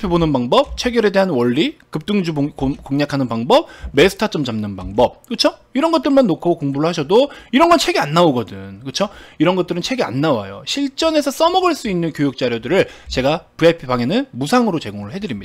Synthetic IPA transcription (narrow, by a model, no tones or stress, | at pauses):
pʰibonɯnbaŋbʌp̚t͡ɕʰe̞ɡjʌɾe̞de̞ɦanwʌɭːikɯp̚t͈ɯŋd͡ʑukoŋɲakʰanɯnpaŋbʌp̚me̞sʰɯ̥tʰat͡ɕ͈ʌmd͡ʑamnɯnpaŋbʌp̚kɯt͡ɕʰoiɾʌnɡʌt͈ɯɭmanːokʰookoŋbuɾɯɭhaɕ̬ʰʌdoiɾʌnɡʌnt͡ɕʰe̞ɡeanːaoɡʌdɯnkɯt͡ɕʰoiɾʌnɡʌt͈ɯɾɯnt͡ɕʰe̞ɡea̰nːawa̰jo̰ɕʰiɭt͡ɕ͈ʌne̞sʰʌs͈ʌmʌɡɯɭs͈uinːɯnkjojuk̚t͡ɕ͈aɾjodɯɾɯɭt͡ɕe̞ɡapɯepʰibaŋe̞nɯnmusʰaŋɯɾot͡ɕe̞ɡoŋɯɭɦe̞dɯɾimɲida